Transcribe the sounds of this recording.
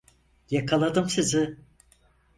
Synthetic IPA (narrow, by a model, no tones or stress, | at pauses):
jakʰalˠad̪ɯmsizɪ